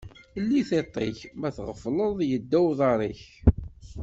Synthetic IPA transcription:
lːiθet̪ˤːeçmæθʁəfləðˤjəd̪ːæwðˤɑɾˤiç

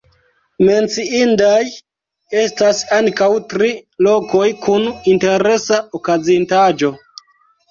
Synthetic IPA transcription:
me̞nt͡siindaj | e̞stasaŋkawtɾilo̞ko̞jkʰuninte̞ɾe̞saokazintad͡ʒo̞

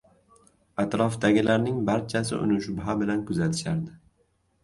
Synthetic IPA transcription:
at̪ɾɒfd̪aɡʲɪlaɾnɪŋbaɾt͡ʃʰasɪ̰ʔʊ̰nʊʃbɦabɪlankʊzat̪ʰɪ̥ʃaɾd̪ɪ

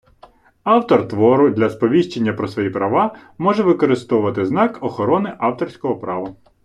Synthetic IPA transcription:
ɑwt̪ɔrt̪ʋɔɾʊd̪lʲɐspɔʋʲiʃt͡ʃenʲːɐpɾɔsʋɔjipɾɐʋɑmɔʒɛʋɪkɔɾɪst̪ɔʊʋɐt̪ɪznɑkɔxɔɾɔnɪʔɑwt̪ɔrʲsʲkɔɦɔpɾɑʋɐ

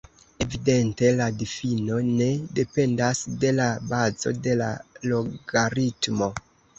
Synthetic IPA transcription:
e̞vide̞nte̞ladifino̞ne̞de̞pe̞ndasde̞labazo̞̰de̞la̰loɡaɾitmo̞

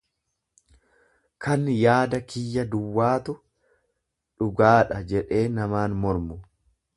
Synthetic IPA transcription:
kʰɐnjaːd̪ɐkɪjːɐd̪ʊwːaːt̪ʊ | ᶑʊɡaːᶑɐd͡ʒɛᶑe̞ːnɐmaːnmɔɾmʊ

